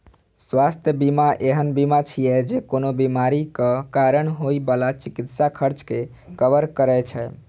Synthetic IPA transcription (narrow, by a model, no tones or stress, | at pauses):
swast̪ʰjəbimaʔeɦənbimat͡ʃʰijɛd͡ʒekonobimaɾikəkaɾəɳɦojbəlat͡ʃikit̪sakʰəɾt͡ʃke | kəbəɾkəɾɛt͡ʃʰɛ